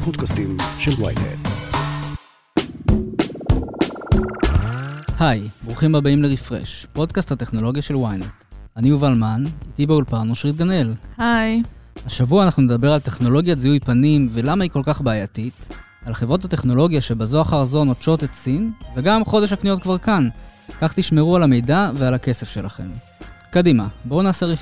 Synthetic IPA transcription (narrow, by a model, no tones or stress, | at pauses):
podkast̪imʃelwa̰jnḛt | hajbʁuχimhabaimleʁifʁḛʃpo̞d̪kasthateχno̞lo̞ɡjaʃe̞lwajnetaniuvalmanit̪ibeulpanoʃʁit̪̚ɡane̞lhajhaʃavuaːnaχnune̞d̪abe̞ʁalt̪e̞χno̞lo̞ɡjaziujpanimve̞lamaiko̞lkaχbaajat̪it̪ | alχevʁo̞t̪hate̞χno̞lo̞ɡjaʃebazo̞aχaʁzo̞not͡ʃo̞tetsinve̞ɡamχo̞de̞ʃ̬haknijo̞t̪̚kvaʁkankaχt̪iʃme̞ʁualame̞jdavealake̞se̞fʃe̞laχe̞̰m | kadimabo̞naːseʁi